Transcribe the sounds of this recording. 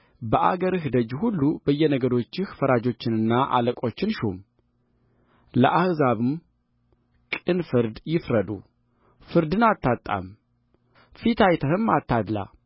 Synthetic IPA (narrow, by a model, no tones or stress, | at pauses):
bəʔa̰ɡəɾɨhd̪əd͡ʒhulːubəjːɛnəɡəɾo̞t͡ʃːɪhfəɾad͡ʒo̞t͡ʃːɪnɨnːaʔa̰ləkʼo̞t͡ʃːɪnʃum | lə̰ʔahzaβɨm | kʼɨnfɨɾd̪jɪfɾəd̪ṵ | fɨɾd̪ɨnat̪ʰːat̪ʼːa̰m | fit̪ʰajt̪ʰəhɨmat̪ʰːad̪la̰